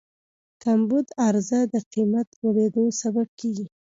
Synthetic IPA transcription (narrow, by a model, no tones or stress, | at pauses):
t̪ambud̪aɾzad̪əqimat̪woɽed̪osabab̚keɡi